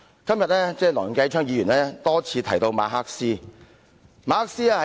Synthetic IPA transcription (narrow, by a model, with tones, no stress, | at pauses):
kɐ˥mjɐ˨t̚lɛː˥t͡sɛː˥˩lɔː˨˩˨ŋkɐ˧jt͡ʃʰœː˥ŋjiː˨˧jyː˨˩nlɛː˥t̪ɔː˥t͡sʰiː˧t̪ʰɐ˨˩jt̪o˧wma̰ː˨˧ɦaː˥k̚siː˥ | maː˧haː˥k̚siː˥a˥˧hɐ˨